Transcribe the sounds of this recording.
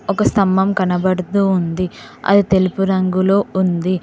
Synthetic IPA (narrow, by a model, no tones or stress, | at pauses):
ɔkɐst̪ɐmːɐmkɐnɐbɐɽɐt̪uːnd̪iɐ̰d̪it̪e̞lupuɾɐŋɡulo̞ːund̪i